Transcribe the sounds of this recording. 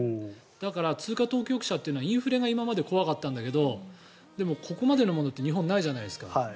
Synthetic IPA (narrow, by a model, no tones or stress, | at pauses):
d̪̥akaɾat͡sɨːkat̪o̞ːkʲo̞kɯ̟ɕat̪ːeɯnoaĩɰ̃ɸɯ̟ɾe̞ɡaimamad̪e̞ko̞βakat̪ːãnd̪ake̞d̪o̞ | d̪e̞mo̞kʰo̞ko̞mad̪e̞no̞mo̞no̞t̪ːeɲ̟iɦõ̞nːaiʑanaiesɨ̥ka̰ai